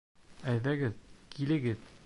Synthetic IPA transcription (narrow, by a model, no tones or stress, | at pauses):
æj̪ðæɡɘðkʰilɘ̆ɡɘð